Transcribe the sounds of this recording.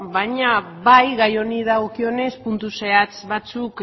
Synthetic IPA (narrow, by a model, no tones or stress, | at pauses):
baɲa | βajɣajo̞niðaɣ̞o̞kio̞ne̞spunt̪use̞at͡sβat͡suk